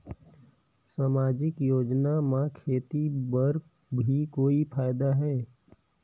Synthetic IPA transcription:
saːmaːd͡ʒɪkjoːd͡ʒnamãkʰeːt̪ibəɾ | bʱikoːipʰaːjd̪aɦɛː

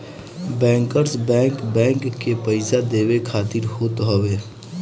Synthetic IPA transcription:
bɛ̃ːŋkəɾsbɛ̃ːŋkbɛ̃ːŋkːepəɪsad̪eːwekʰaːt̪ɪɾɦoːt̪ɦɔʋeː

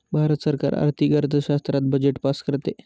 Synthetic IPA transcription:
bʱaɾət̪səɾka̰ɾa̰ɾt̪ʰiɡəɾt̪ʰəɕast̪ɾat̪̚bəd͡ʑeʈpaskəɾt̪e

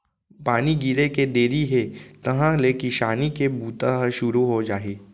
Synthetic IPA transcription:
paːniɡiɾeked̪eːɾiɦet̪ɐɦãlekiʃaːnikebuːt̪aʃʊɾuɦod͡ʒaːeː

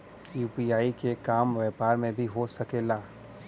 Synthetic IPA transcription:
juːpiaːikekaːmʋɛːpaːɾmẽbʱiɦosɐkeːlaː

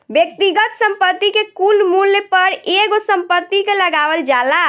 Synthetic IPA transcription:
bjək̚t̪iɡət̪səmpət̪ːikekulmulːəpəɾeɡosəmpət̪ːikeləɡaʋəld͡ʒala

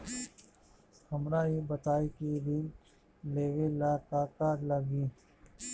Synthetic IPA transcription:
hɐmɾaːibət̪aːikid̪in | leːɡelaːkaːkaːɾlaɡiː

